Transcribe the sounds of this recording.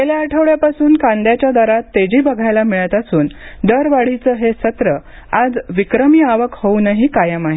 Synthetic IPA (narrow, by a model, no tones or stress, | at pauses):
t̪eljaːʈʰəʋɭjapasuːnkand̪jat͡ɕjad̪aɾat̪ːed͡ʑiːbəɡʱajlamiɭət̪asuːnd̪əɾʋaɽ̤it͡səɦesət̪ɾə | ad͡zʋikɾəmiaʋəkhownaɦikajəmaɦe